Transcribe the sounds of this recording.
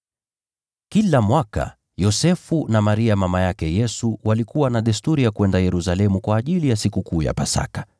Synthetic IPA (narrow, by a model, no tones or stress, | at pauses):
kilamwaka̰ | jɔsɛfunamaɾiamamajakɛjɛsuwalikuwanaɗɛstuɾijakuwɛndajɛɾusalɛmukwaːʄilijasikukuːja̰pasa̰kḁ